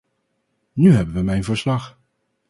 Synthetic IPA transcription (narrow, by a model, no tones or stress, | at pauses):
nyɦɛbənʋəmɛjnvəɹslɑχ